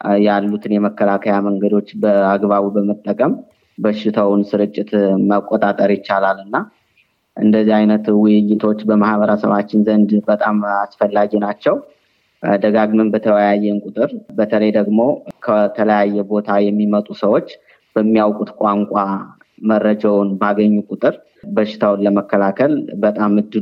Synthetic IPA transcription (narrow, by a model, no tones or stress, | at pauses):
jalːut̪ʰɨnjɛməkːəlakʰəjaməŋɡəd̪o̞t͡ʃːbəaɡbaβubəmət̪ʼːəkʼəm | bəʃːɪt̪ʰəwnsɨɾɨt͡ʃʼːɪt̪məkʼːot̪ʼat̪ʼəɾjɪt͡ʃːalalɨnːa | ʔɨ̰nd̪əzːiajnət̪wʊjːɪt̪ʰo̞t͡ʃːbəmahβəɾəsə̰βat͡ʃːɪnzənd̪bət̪ʼamasfəlːaɡinat͡ʃːɛw | d̪əɡaɡmɨnbət̪ʰəwəjajːɛnkʼʊt̪ʼɨɾbət̪ʰələjd̪əɡmo̞kʰət̪ʰələjajːɛbo̞t̪ʰajɛmːimət̪ʼusəwo̞t͡ʃː | b̥əmːijawkʼut̪kʼaŋkʷʼa | mərːəd͡ʒawʊnbaɡəɲːukʼʊt̪ʼɨɾ | bəʃːɪ̥t̪ʰawnləməkːəlakʰəlbət̪ʼamɨd̪ːɨ